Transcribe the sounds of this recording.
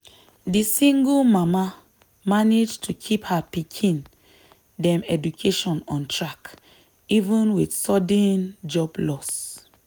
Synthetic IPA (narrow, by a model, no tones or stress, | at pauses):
disĩŋɡulmama | maned͡ʒtʰukʰiphapikʰĩn | dɛ̃mɛdukʰeʃɔ̃nɔ̃ntʰɹak | ivə̃nwidsɔdə̃nd͡ʒɔblɔs